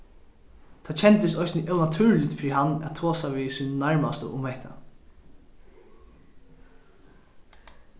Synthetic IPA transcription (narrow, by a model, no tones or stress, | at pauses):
t̪ʰat͡ɕt͡ʃʰɛnt̪əst̪ɔjsnəʔɛwnat̪ʰʉːɹlɪt̪fɪɾiɦanːæ̰t̪ʰoːsaʋiːsiːnənaɹmast̪ə̰ʔʊmhɛht̪ʰa̰